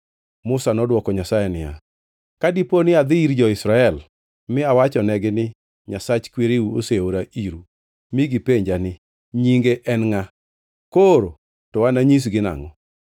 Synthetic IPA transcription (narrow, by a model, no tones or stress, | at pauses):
mʊsanɔdwɔkɔɲasajɛnɪja̰ | kadiponɪad̪ɪiɾd͡ʒɔɪsɾaɛl | mɪawat͡ʃɔnɛɡɪnɪ | ɲasat͡ʃkweɾiuoseoɾaiɾu | miɡipeɲd͡ʒanɪ | ɲiŋɡeʔɛnŋa | koɾo | tɔwanaɲis̬ɡɪna̰ŋɔ